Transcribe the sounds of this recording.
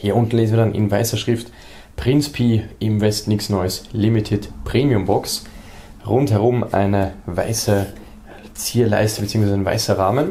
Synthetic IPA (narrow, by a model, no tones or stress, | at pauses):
hiːɐʔʊntn̩leːzn̩viːɐdanʔɪ̰nvaɪsɐʃʁ̥ɪft | pʁ̥ɪnspʰiːʔɪmvɛstnɪksnɔʏəslɪmitʰɪtpʁ̥eːmiʊmbɔks | ʁʊnthɛʁʊmʔa̰ɪnəva̰ɪsə | t͡siːɐla̰ɪstəbət͡siːʊŋsv̥zaɪnva̰ɪsɐʁaːmən